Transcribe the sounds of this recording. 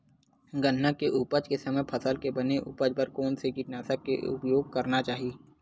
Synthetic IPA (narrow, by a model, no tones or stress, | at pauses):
ɡənːakeʔuːpəd͡ʒkesɐməjpʰɐsəlkebɐneʔʊ̰pəd͡ʒpəɾkɔːnsekiʈnaːsəkḛʊ̰pjoːɡ̚kɐɾnat͡ʃaːɦieː